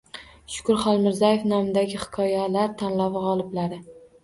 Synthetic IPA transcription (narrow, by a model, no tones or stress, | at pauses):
ʃʊ̥kʊɾχɒlˠmɪɾzajefnamɪd̪aɡʲɪhɪ̥kʰɒjalaɾt̪ʰanlavɪʁɒlˠɪblaɾɪ